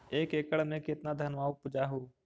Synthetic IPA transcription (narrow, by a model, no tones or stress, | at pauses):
eːkeːkəɽmẽkɪt̪nad̪ʱənʋaːupʊd͡ʒaɦoː